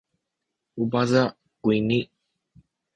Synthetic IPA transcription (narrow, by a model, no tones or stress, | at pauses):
ubaza | kʷuini